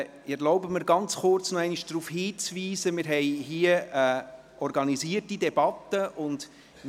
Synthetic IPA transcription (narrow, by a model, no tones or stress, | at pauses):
ɪɛɾlɔʊbəməɾɡɑnt͡sχʊrt͡snɔɛɪniʃd̥ɾuːfhiːt͡sviːzəmɪːɾɦɛɪɦiəː | ɔɾɡɑniziətidɛbɑtːəʔʊnd